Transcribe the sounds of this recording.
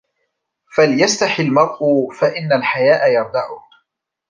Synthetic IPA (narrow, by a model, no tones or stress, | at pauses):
faljast̪aħɪlmɑɾˤʔʊfaʔɪnːalħajaːʔajɑɾˤd̪aʕʊh